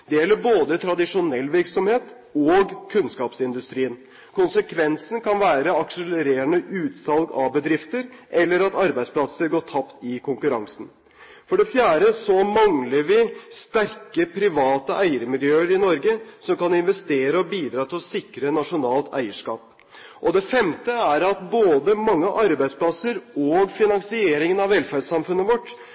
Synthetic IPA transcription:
d̪ɛjɛlːəɾboːd̪ət̪ʰɾɑd̪ɪʂʊnɛlːʋɪɾksɔmheːt̪ | oɡkʰʉnskɑːpsɪnd̪ʉst̪ɾiːən | kʰʊnsəkʰʋɛnsn̩kɑnʋæːɾəɑkʂələɾeːəɳəʔʉːt̪sɑlɡɑʋbəd̪ɾɪft̪əɾʔɛlːəɾɑt̪ɑɾbæɪd̪splɑt̪səɾɡoːʈʰɑpt̪ɪkʰʊŋkʉɾɑŋsn̩ | fɔɖɛfjæːɾəsɔmɑŋləɾʋɪst̪æɾkəpʰɾɪʋɑːt̪əʔæɪəɾmɪljøːəɾɪnɔɾɡəsɔmkɑnɪnʋɛst̪eːɾəɔbiːd̪ɾɑːt̪ʰɪlɔsɪkɾənɑʂʊnɑːlt̪æ̰ɪəʂkɑ̰ːp̚ | ʔɔd̪ɛfɛmt̪əæɾɑt̪boːd̪əmɑŋːəʔɑɾbæɪd̪spʰlɑsəɾɔɡfɪnɑŋsɪeːɾɪŋənɑʋɛlfæɖsɑmfʉnːəʋɔʈː

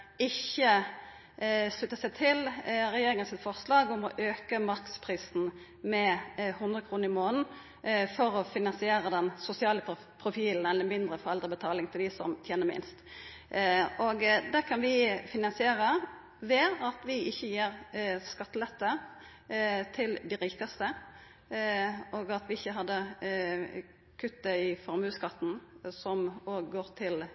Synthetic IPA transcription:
ɪçːə | slʉt̪ːəsɛɪt̪ʰɪlɾɛjeːɾɪŋənsɪt̪fɔʁslɑːɡʊmɔʔøːkəmɑɾkspʰʁiːsn̩ | mɛhʉnd̪ɾəkʰɾuːnəɾɪmoːnn̩ | fɔɾɔfɪnɑnsɪeːɾəd̪ɛnsʊsɪɑːlə | pʰɾʊfiːln̩ɛlːəmɪnd̪ɾəfɔʁɛlɾəbət̪ʰɑːlɪŋt̪ʰɪld̪ɪsɔ̰mt̪ʰjeːnəmɪ̰nst̪ | ʔoːɡd̪ækʰɑnʋɪfɪnɑnsɪeːɾə | ʋeːɾɑt̪ʋɪɪçːəjiːʁskɑt̪ːəlɛt̪ːə | t̪ʰɪld̪ɪɾiːkɑst̪ə | ʔoːɡɑt̪ʋɪɪçːəɦɑd̪ːə | kʰʉt̪ːəɪfɔɾmʉːskɑt̪ːn̩sɔmoːɡɡoːɾt̪ʰɪl

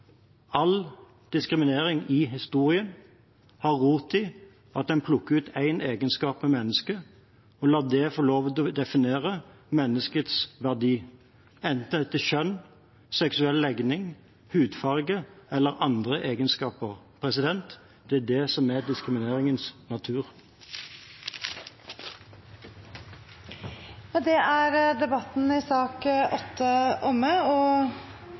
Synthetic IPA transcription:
ɑl | d̪̥ɪskɾɪmɪneːɾɪŋɪɦɪst̪uːʁɪən | hɑʁːuːt̪ɪ | ɑt̪̚d̪ɛnpʰlʊkːʉːt̪ʰæɪneːɡənskɑːpmɛmɛnːəskə | ɔlɑːd̪ɛfɔloːʋt̪ɔd̪ɛfɪneːʁə | mɛnːəskət̪sʋæʁd̪iː | ɛnt̪ət̪ːəʃœn | sɛksʉɛllɛɡnɪŋ | hʉːd̪fɑʁɡəɛlːəʁɑnd̪ʁəʔeːɡənskɑːpəʁ | pʰʁɛsɪd̪ɛnt̪ | d̪̥ɛæd̪ɛsɔmæd̪ɪskʁɪmɪneːʁɪŋənsnɑt̪ʰʉːʁ | jɑd̪ɛæɾd̪ɛbɑt̪n̩ɪsɑːkʔɔt̪ʰːəʔɔmːəɔ

